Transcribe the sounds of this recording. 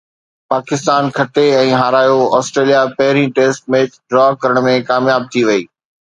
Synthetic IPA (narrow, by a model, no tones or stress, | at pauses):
paːkɪst̪aːnkʰɐʈeɛ̃ːɦaːɾaːjoɔːsʈɾeːlijapɐɦɪɾĩʈeːsʈ̚meːɖɾɔːkɐɾəɽ̃mẽkaːmjaːb̚t̪ʰiʋɐiː